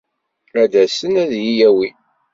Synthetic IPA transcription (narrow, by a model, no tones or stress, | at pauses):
æd̪æsənæðjijæwi